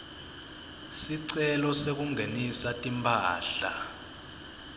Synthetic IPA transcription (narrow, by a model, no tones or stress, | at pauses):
siǀɛlɔsek̬uŋenisatʼimpʰaːɬa